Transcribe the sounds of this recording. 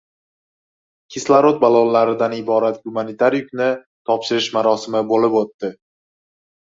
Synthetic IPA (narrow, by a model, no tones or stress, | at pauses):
kʲʰɪslˠaɾot̪̚balˠonlaɾɪd̪anɪbɒɾat̪ɡʊmanit̪ʰaɾjʊkʲnɪ | t̪ʰɒpʃɪɾɪʃmaɾɒsɪmɪbolɪpot̪ːɪ